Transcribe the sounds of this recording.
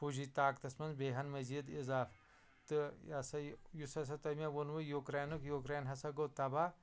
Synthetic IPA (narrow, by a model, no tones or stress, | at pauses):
puʒit̪aːkt̪ɐsmɐnzbeːɦɐnmɐzid̪izaːf | t̪ɨasɐjusɐs̬ɐt̪ɐmaʋonʋujokɾaːnukjokɾaːnɦɐsɐɡoːt̪ɐba